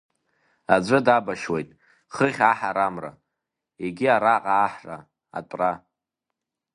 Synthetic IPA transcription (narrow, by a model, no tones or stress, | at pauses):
ad͡zʷɨdabaʃwejtʼ | χəχʲaħaɾamra̰ | eɡʲiaɾaqʼaːħra̰ | a̰tʷʼra